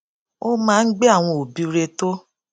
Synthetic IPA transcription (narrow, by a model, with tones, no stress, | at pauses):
o˦mãː˦n̩˦ɡ͡be˦a˦˨w̃ɔ̃˧o˨bi˦u˧ɾe˧to˦